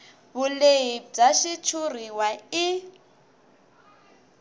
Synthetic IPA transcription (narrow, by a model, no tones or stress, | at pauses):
βuleib͡ʐaʃit͡ʃʰur̤iwai